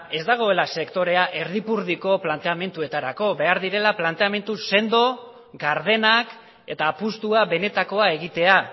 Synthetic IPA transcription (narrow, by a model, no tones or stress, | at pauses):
e̞zd̪aɣ̞o̞e̞lase̞kt̪o̞ɾe̞aʔe̞ɾðipuɾðiko̞plant̪e̞ame̞nt̪ue̞t̪aɾako̞βe̞aɾðiɾe̞laplant̪e̞ame̞nt̪use̞nd̪o̞ | ɡaɾð̞e̞nak | e̞t̪aːpust̪uaβe̞ne̞t̪ako̞ae̞ɣ̞it̪e̞a